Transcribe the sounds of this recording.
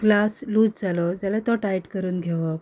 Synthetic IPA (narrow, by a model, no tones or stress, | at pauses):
ɡlasluːd͡zd͡zalɔd͡ʑjalat̪ɔʈajʈkəɾuːnɡʱeʋɔ